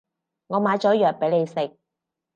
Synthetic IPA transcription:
ŋɔː˨˧maː˨˧jt͡sɔː˨˥jœː˨k̚pe˨˥le˨˧jsɪ˨k̚

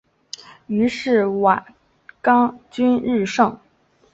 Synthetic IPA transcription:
y˧˥ʂɻ̩˥˩wa˨˩ | kɑ˥ŋt͡ɕy˥nɻɻ̩˥˧ʂɤ˥˩ŋ

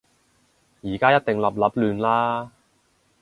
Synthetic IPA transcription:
jiː˨˩kaː˥jɐ˥t̚t̪ɪ˨ŋlɐ˨p̚lɐ˨˥p̚lyː˨˧nlaː˥

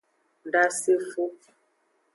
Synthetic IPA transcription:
n˨da˦se˦fu˦

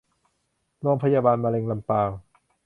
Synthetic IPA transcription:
loː˧˨ŋpʰa˧jaː˧baː˧nmaː˧le˧ŋla˧mpaː˧w

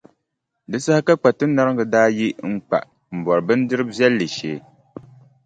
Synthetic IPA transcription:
dɨ˦sa˦ha˦ka˦k͡pa˨tɨ˦n˦na˦ɾɨ˦ŋɡɨ˨daː˦ji˦ŋ͡m̩˦k͡pa̰˨ʔ | m̩˨bɔ˨ɾɨ˨bɨ˦n˦dɨ˦ɾɨ˦bbjɛ˦lːɨ˨ʃeː˨˦

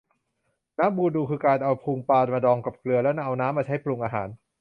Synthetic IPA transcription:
naː˦˥mbuː˧˩duː˧˩kʰɯː˧kaː˧nʔa˧wpʰuː˧ŋpaː˧nmaː˧dɔː˧ŋka˨˩p̚klɯ˧ɐlɛː˦˥wna˦˥˩ʔa˧wnaː˦˥mːaː˧t͡ɕʰa˦˥jpʰlu˧ŋʔaː˧ɦaː˩˦n

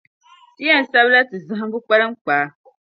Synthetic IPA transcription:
ɛ˦n̩˨sa˦βla˦tɨ˨zɨ˦ɦɨ˦bu˦k͡pa˦lɨ˦m˦k͡paː˨˦

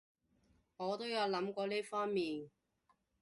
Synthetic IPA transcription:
ŋɔː˨˧t̪o˥wjɐ˨˧wlɐ˨˧˥mkʷɔː˧liː˥fɔː˥ŋmiː˨n

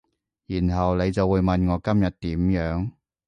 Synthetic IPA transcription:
jiː˨˩nɦɐ˨wle˨˧jt͡sɐ˨wːuː˨˧jmɐ˨nŋɔː˨˧kɐ˥mjɐ˨t̚t̪iː˨˥mjœː˨˥ŋ

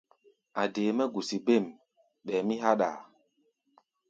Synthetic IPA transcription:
a˨deː˨mɛ˦ɡu˨si˨be˦˨m | ɓɛː˨mi˦ɦa˦ɗa̰˨

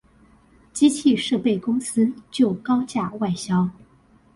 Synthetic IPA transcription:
t͡ɕi˥t͡ɕʰi˥˧ʂɤ˥˧pe˥˩ɪkʊ˥ŋsɹ̩˥t͡ɕjo˥˩ʊkɑ˥ʊt͡ɕja˥˧˩wa˥˧˩ɪɕjɑ˥ʊ

